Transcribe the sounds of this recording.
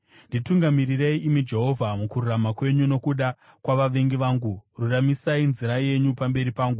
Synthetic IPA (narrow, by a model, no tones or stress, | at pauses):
ndituŋɡamirireiʔimid͡ʒe̞ɦo̞vʱamukururamakwe̞ɲuno̞kuɗa | kwaʋaʋe̞ŋɡiʋaːŋɡururamisainziɾaje̞ɲupambe̞ɾipaːŋɡu